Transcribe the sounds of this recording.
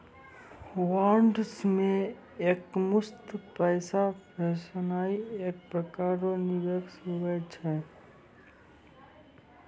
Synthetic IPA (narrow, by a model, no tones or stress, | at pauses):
waːɾɳɖsmẽ | eːkmʊst̪pɛːsapɛːʃənaːieːk̚pɾəkaːɾonɪʋeːksʊʋəd͡ʒɦɛː